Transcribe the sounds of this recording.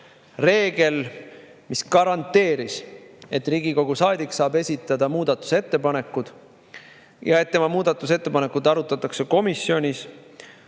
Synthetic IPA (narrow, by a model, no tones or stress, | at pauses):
re̞ːɡe̞l | miskɑɾɑnt̪ːe̞ːɾise̞t̪ːˑriːɡiko̞ɡ̥usɑːd̪iksɑːbe̞sʲit̪ːˑɑd̪ɑmuːd̪̥ɑt̪ːˑu̥se̞t̪ːe̞pɑne̞kːud̪̥ | jɑe̞t̪ːe̞mɑmuːd̪ɑt̪ːˑuse̞t̪ːe̞pɑne̞kːud̪ɑɾut̪ːˑɑt̪ːˑɑkse̞ko̞misːjo̞nʲis